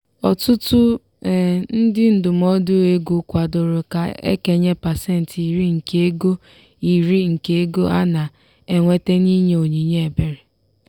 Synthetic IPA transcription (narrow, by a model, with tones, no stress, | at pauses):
ɔ̰˨tʊ˦tʊ˦˨ | n̩˦dɪ˦n̩˦dʊ˨m̩˦ɔ˦dʊ˦e˦ɡu˨kʷa˨dʊ˨ɾʊ˨ka˨ḛ˦ke˨ɲe˦pa˨se˦n̩˨ti˨ɾi˦ŋ̩˨ke˦e˦ɡo˦ | i˨ɾi˦ŋ̩˨ke˦e˦ɡo˦ʔa˦na˨ | e˨ŋʷe˦te˦ni˦ɲe˨o˨ɲi˨ɲe˦e˨be˨ɾe˨